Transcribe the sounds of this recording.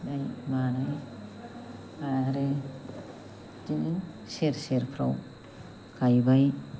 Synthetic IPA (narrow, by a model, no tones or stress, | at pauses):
najmanaj | aɾe | dini | seɾseɾpʰɾa̰w | kajbaj